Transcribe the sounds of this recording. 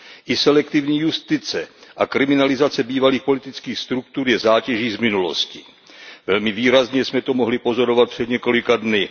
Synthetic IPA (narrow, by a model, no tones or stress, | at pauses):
ʔɪsɛlɛkt̪ɪvɲiːjust̪ɪt͡sɛʔakɾɪmɪnalɪzat͡sɛbiːvaliːxpo̞lɪt̪ɪt͡skiːxst̪ɾuk̚t̪uɾjɛzaːcɛʒiːzmɪnulo̰scɪ | vɛlmɪviːɾazɲɛsmɛt̪o̞mo̞ɦlɪpo̞zo̞ɾo̞vat̪̚pr̝̥ɛd̪ɲɛko̞lɪkadnɪ